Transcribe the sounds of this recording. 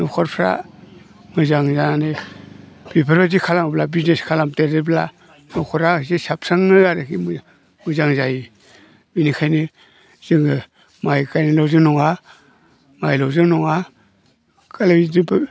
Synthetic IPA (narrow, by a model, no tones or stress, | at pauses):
nɔkʰɔɾpʰɾa̰ | mɯzaŋzane | b̥ipʰaɾbazikʰalamblabizneskʰalamteɾɯbla̰ | nɔkʰɔɾazesap̚saŋnɯaɾɯkim | mɯzaŋzaji | minikʰajni | z̥ɯŋɯ | majkajnilawzɯŋnɔŋa | majlawzɯŋnɔŋa | kalabidib